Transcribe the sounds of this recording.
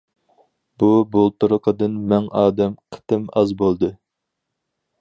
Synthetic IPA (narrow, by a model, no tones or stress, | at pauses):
bubolˠt̪uɾʊqʰəd̪ɨnmɛŋɑːd̪ɛmqʰə̥t̪ɨmɑzbolˠd̪ɨ